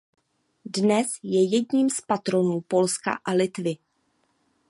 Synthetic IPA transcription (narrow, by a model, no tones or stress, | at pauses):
dnɛsjɛjɛdɲiːmspat̪ɾo̞nuːpo̞lska̰ʔalɪt̪vɪ